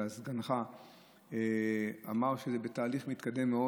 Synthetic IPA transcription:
azɡanχa | ea̰maʁʃezebetaːliχmit̪kad̪e̞mːeo

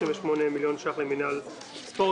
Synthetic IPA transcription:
imveʃmonemiljo̞nʃaχleminal | spo

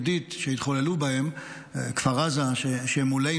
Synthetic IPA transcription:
dit̪ʃeit̪χolelubahem | kfaʁazaʃeʃemule

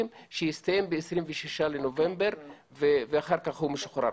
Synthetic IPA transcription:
imʃejist̪ajembeːsʁimveʃiʃalenovembeʁ | veveaχaʁkaχhumeʃu̥χɾa̰

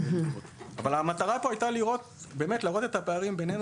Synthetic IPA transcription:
oa̰valamat̪aʁapo̞ajt̪aliʁo̞t̪be̞ːmet̪laːʁo̞t̪e̞t̪apeaʁimbenen

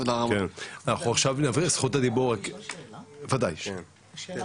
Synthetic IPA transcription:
lakenanaχuaχʃavnavisχut̪ad̪iboʁak | vad̪ajʃ

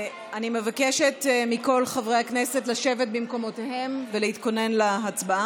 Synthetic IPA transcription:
anime̞vakeʃetmiko̞lχavʁehaknesetlaʃe̞vet̚bimko̞mo̞tehe̞mveleit̪ko̞ne̞nlaat͡sbaa

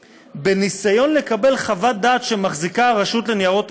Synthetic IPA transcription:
be̞nisajo̞nle̞kabe̞lχavat̚d̪aːt̪ʃe̞maχzikaʁaʃut̪lenijaʁo̞t̪

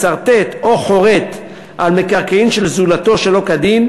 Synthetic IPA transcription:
t͡saʁt̪et̪o̞χo̞ʁe̞t̪ | ʔalmekaʁkaimʃe̞lzulat̪o̞ʃe̞lo̞kad̪im

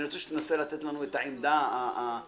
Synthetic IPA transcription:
iɾʁot͡seʃe̥t̪enaselat̪et̪lanuet̪aʕimd̪aaa

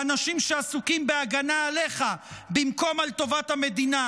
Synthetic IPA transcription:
anaʃimʃeasukimbeaɡanaːle̞χabimko̞malt̪o̞vat̪hame̞d̪ina

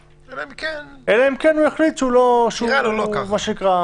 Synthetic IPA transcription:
elaimkenʔelaimkenueχlit̪ʃeuloʃuuloamaʃeikʁa

